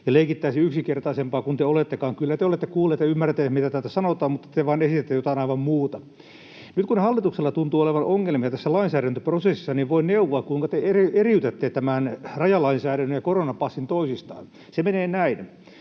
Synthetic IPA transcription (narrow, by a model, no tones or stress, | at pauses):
jɑleikit̪ːæisiyksikert̪ɑisempɑːkunt̪eolet̪ːekɑːŋkylːæt̪eolet̪ːekuːlːeːt̪jɑymːært̪ːˑehmit̪æt̪æt̪æsɑnot̪ɑːmmut̪ːɑ̥t̪eʋɑːnesit̪et̪ːejot̪ɑinɑiʋɑmmuːt̪ɑ | nyt̪kunhɑlːit̪ukselːɑt̪unt̪uːoleʋɑnʔoŋːelmiɑt̪æsːælɑinsæːɾænt̪øprosesisːɑniʋʋoinneuʋoɑkkuiŋkɑt̪eerieriyt̪et̪ːeːtt̪æmænrɑjɑlɑinsæːɾænːøjɑkoronɑpɑsːint̪oisist̪ɑ̰ːn | semeneːnæin